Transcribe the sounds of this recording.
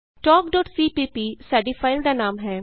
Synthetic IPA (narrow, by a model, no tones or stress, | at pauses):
ʈɔːkɖɔːʈsiːpiːpiːsaːɖiːpʰaːɪld̪aːnaːmɦɛː